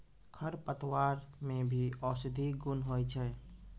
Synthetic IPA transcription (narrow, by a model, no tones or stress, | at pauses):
kʰəɾpət̪waːɾmẽbʱiɔːsɪd̪ʱiɡʊnɦoːit͡ʃʰɛː